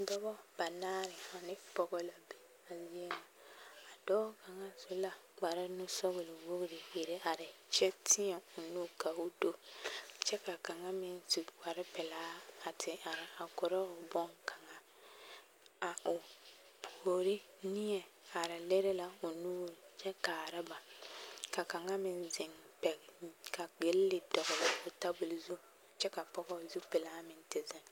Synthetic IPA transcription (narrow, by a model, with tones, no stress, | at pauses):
dɔ˦bɔ˦b̥a˨naː˦ɾɪ˨a˨nɪ˦pɔ˦ɣɔ˦la˨be˨ | a˨zi˦e˦ma˨a˨dɔː˦ka˨ŋa˦zʊ˨la˨ | ɡ͡ba˨ɾa˦nʊ˦sɔ˦bʊ˨lɪ˨wo˦ɡɾɪ˨jɪ˨ɾɪ˦a˨ɾɪ˨t͡ʃɛ˦tʰɪ˦ɛ˨ʊ˨nu˦ka˨ʊ˨do˦t͡ʃɛ˦ka˨ka˨ŋa˦mɪ˦n˦tu˨ɡ͡ba˨ɾɪ˦pɛ˨laː˦a˨tʰɪ˨a˨ɾɪ˨a˨kʊ˨ɾɔ˦ʊ˨bɔ˦ŋka˨ŋa˦ | a˨ʊ˨ | ho˨ɾɪ˦ | nɪ˦ɛ˨a˨ɾɪ˨lɛ˦ɾɛ˦la˨ʊ˨nuː˦ɾt͡ʃɛ˦kaː˨ɾɪ˦ba˨ka˨ka˨ŋa˦mɪ˨nzɪ˨ŋpɛ˨ɡka˨ɡ͡be˨˦llɪ˨dɔ˨ɣʊ˨lɪ˨ʊ˨ta˦bʊ˨lzu˦ | t͡ʃɛ˦ka˨pɔ˦ɡɔ˦˨zu˦pɪ˨laː˦mɪ˨ntɪ˨zɪ˦